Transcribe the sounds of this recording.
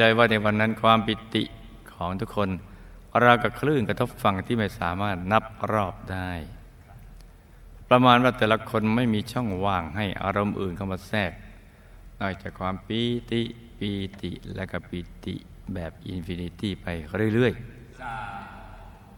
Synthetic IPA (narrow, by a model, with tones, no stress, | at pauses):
lɤː˧jwaː˥˩na˧jwa˧nːa˦˥nkʰwaː˧mpi˨˩t̪ḭ˨˩ʔ | kʰɔː˩˦ŋt̪ʰu˦˥kʰːo˧n | ɾa˧wka˧˩kʰɾɯː˥˩nkɾa˧t̪ʰo˦˥p̚fa˧ŋt̪ʰiː˥˩ma˥˩jsaː˩˦maː˥˩t̪̚na˦˥p̚ɾɔː˥˩p̚daː˥˩j | pɾa˧maː˧nwaː˥˩t̪ɛː˨˩la˧kʰo˧nma˥˩jmiː˧t͡ɕʰɔ˥˩ŋwaː˧˩ŋɦa˥˩jʔa̰ː˧ɾo˧mʔɯ̰ː˨˩nkʰa˧˩wmaː˧sɛː˥˩k̚ | nɔː˧˩t͡ɕaː˨˩kʰwaː˧mpi˧t̪i˨˩ | piː˧t̪ḭ˨˩lɛ˦˥ka˧˩pi˧t̪ḭ˨˩ | bɛː˨˩p̚ʔḭ˧nfi˧ni˧˥t̪iː˥˩pa˧jɾɯ˥˩˨ɾɯ˥˩əj